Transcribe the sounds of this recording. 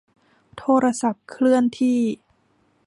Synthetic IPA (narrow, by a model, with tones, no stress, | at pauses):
t̪ʰoː˧ɾa˧sa˨˩p̚kʰɾɯ˥˩ənt̪ʰiː˥˩